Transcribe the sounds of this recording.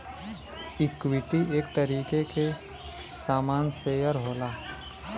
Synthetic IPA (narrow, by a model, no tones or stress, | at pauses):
ɪkwɪt̪iʔeːkt̪əɾiːkeke | saːmaːnseːjəɾɦoːlaː